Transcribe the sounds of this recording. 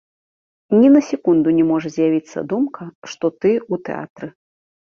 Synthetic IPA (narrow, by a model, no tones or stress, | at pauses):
nʲinɐsʲɛkund̪unʲɛmɔʐɐzʲjavʲit̪sːɐ̰d̪umkɐʂt̪ɔt̪ɨut̪ɛ̰a̰t̪ɾɨ